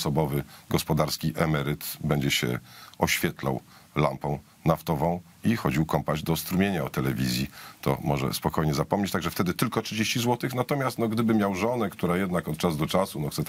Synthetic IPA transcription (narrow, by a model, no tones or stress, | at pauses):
sɔbɔvɘɡɔspɔd̪aɾskʲiʔɛmɛɾɘt̪bɛɲd͡ʑɛɕɛ̰ɔɕfʲjɛt̪la̰w | la̰mpɔ̃w̃ | naft̪ɔvɔ̃w̃ | ixɔd͡ʑiwkɔmpaʑd̪ɔst̪ɾumʲjeɲaɔt̪ɛlɛvʲḭzʲjit̪ʰɔ̰mɔʐɛ̰spɔkʰɔjɲɛzapɔmɲet͡ɕt̪aɡʐɛft̪ɛd̪ɘt̪ɘlkɔtʂɘd͡ʑeɕt͡ɕizwɔt̪ɘxnat̪ɔmʲjast̪nɔɡd̪ɘbɘmʲjawʐɔnɛkt̪uɾajɛd̪nakɔt̪̚t͡ʂazd̪ɔt͡ʂasunɔxt̪sɛt̪